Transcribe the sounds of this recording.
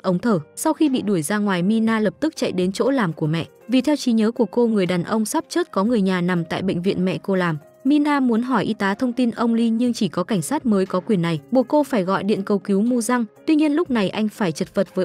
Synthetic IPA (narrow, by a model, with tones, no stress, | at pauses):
ʔə˨˦wŋ͡mt̪ʰəː˧˩sa˧wxi˧ɓḭ˧˨ɗu˧˩əjzaː˧ŋwaː˨˩jmi˧naː˧ləː˨˩p̚t̪ɨ˦˥k̚t͡ɕa̰˧˨jɗe˨˦nt͡ɕo̰˧˥laː˨˩mku˧˩əmɛ̰˧˨ʔ | vi˨˩t̪ʰɛ˧wt͡ɕi˨˦ɲəː˨˦ku˧˩əko˧ŋɨ˨˩əjɗaː˨˩nʔə˧wŋ͡msa˦˥p̚t͡ɕəː˦˥t̚kɔ˨˦ŋɨ˨˩əjɲaː˨˩na˨˩mt̪a̰ː˧˨jɓḛ˧˨ŋ̟vḭ˧ənmɛ̰˧˨ko˧laː˨˩m | mi˧naː˧mu˨˦ənɦɔ˧˩jʔi˧˦t̪aː˨˦t̪ʰə˧wŋ͡mt̪i˧nʔə˧wŋ͡mli˧ɲɨ˧ŋt͡ɕi˧˩kɔ˨˦ka˧˩ŋ̟saː˦˥t̚məː˨˦jkɔ˨˦kwi˨˩ənːa˨˩jɓu˨˩əko˧faː˧˩jɣɔ̰˧˨jɗḭ˧˨ənkə˧˩wki˨˦wmu˧za˧ŋt̪wi˧ɲi˧ənlʊ˦˥k͡p̚na˨˩jʔa˧jŋ̟faː˧˩jt͡ɕə˨˩t̚və˨˩t̚vəː˨˦